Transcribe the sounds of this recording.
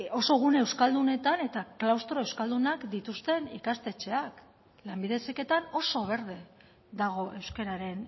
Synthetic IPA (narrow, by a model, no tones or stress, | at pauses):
o̞so̞ɣ̞unewskald̪une̞t̪ane̞t̪aklawst̪ɾoe̞wskald̪unakd̪it̪ust̪e̞nikast̪e̞t͡ʃe̞ak | lambiðe̞sike̞t̪ano̞so̞β̞e̞ɾð̞e̞ | ðaɣ̞o̞ʔe̞wske̞ɾaɾe̞n